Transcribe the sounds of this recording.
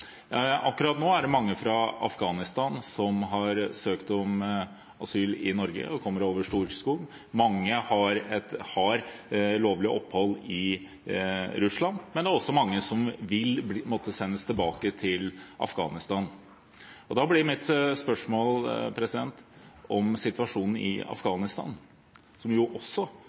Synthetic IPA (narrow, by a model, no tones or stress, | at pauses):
jɑʔɑkːʉɾɑt̪noːæɖɛmɑŋːəfɾɑɑ̰fɡɑːnɪst̪ɑːnsɔmɦɑɾsøːkt̪ɔm | ʔɑsyːlɪ̰nɔɾɡə̰ɔkʰɔmːəɾoːʋəʂʈuːɾskuːɡ | mɑŋːəhɑɾɛt̪hɑɾloːʋlɪʔɔpːhɔlːɪ | ɾʉslɑnmɛnd̪ɛæɾɔsːɔmɑŋːəsɔmʋɪlmoːt̪ːəsɛnːəst̪ʰɪlbɑːkət̪ʰɪlʔɑ̰fɡɑ̰ːnɪst̪ɑːn | ɔd̪ɑblɪɾmɪt̪spœʂmoːlpʰɾɛsɪd̪ɛnt̪ɔmsɪt̪ʋɑʂuːnn̩ɪ̰ɑ̰fɡɑːnɪst̪ɑ̰ːn | sɔmjʊʔɔsːɔ